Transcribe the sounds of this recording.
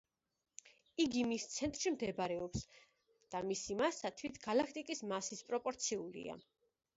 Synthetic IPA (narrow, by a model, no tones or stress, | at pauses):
iɡimist̪sʰɛnt̪ʼɾʃimd̪ɛbɾɛɔps | d̪̥amisimasat̪ʰwit̪ʰɡ̥alakʰt̪ʼikʼismasispʼɾɔpʼɔɾt̪sʰiulḭa̰